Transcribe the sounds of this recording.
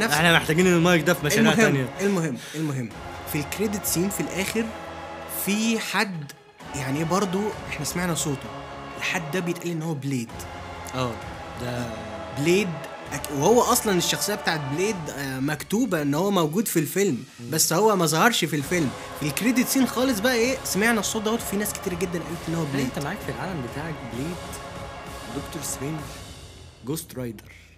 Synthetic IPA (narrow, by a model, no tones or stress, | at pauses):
næeħnæmeħt̪æɡiːnenːelmɑɾek̚d̪æfimæʃheæmnjæelmoɦemːʔelmoɦemː | filkɾed̪et̪siːnfilʔæːxeɾ | fiħad̪ː | jaʕniʔbɑɾˤd̪ˤoʔeħnæsmaʕnæsˤoːt̪o | ʔelħad̪ːæbejet̪ʔælːiʔenːhowːæbleːd̪ | ʔæː | d̪æ | bleːd̪ | ʔækwehowːæʔɑsˤlɑneʃːɑxsejːæbet̪aːʕet̪̚bleːd̪mækt̪uːbæʔenːhowːæmæwɡuːd̪filfelm | bæsːhowːæmæzˤɑhɑɾˤʃfilfelm | elkɾed̪it̪siːnxɑːles̬ˤbæʔæʔeːsæmeʕnæsˤoːt̪d̪æhoːt̪finæːske̥t̪iːɾæɡed̪ːænʔæːlːet̪ʔenːhowːæbleːt̪æmaʕaːkfilʕaːlæmbet̪aːʕekbleːd̪ | d̪okt̪oɾˤsɾenɡ | ɡoːst̪ɾˤɑjd̪ɑɾˤ